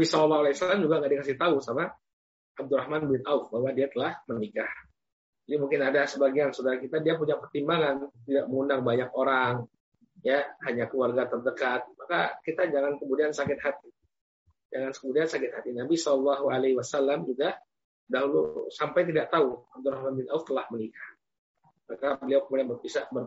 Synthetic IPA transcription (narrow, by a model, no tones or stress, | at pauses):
abisɔllːɔhualesalamd͡ʒuɡaŋɡaʔdiakas̬ɪht̪ausama | ʔab̚d̪ʊɾahmanbɪnaufbahwadiat̪əlahmənikah | d͡ʒadimuŋkɪnadasəbaɡiansodaɾakit̪adiapuɲaʔpərt̪imbaŋant̪idaʔməŋunaŋbaɲak̚oɾaŋ | jahaɲakluarɡat̪ərdəkat̪̚makakit̪ad͡ʒaŋankəmudiansakɪt̪̚hat̪i̥ | d͡ʒaŋankəmudiansakɪt̪̚hat̪inabisɔllːaɦualahiwasalːamd͡ʒuɡa | daɦulṵsampajt̪̬idaʔt̪auab̚d̪ʊlahlambɪnaʊft̪əlahmənikḁh | makabəliawkəmudianbərbisaʔbər